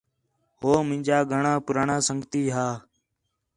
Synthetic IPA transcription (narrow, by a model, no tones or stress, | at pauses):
ɦoːmɪ̃nʲd͡ʒaːɡʱəɳãːpʊɾaːɳãːsəŋɡt̪iːɦaː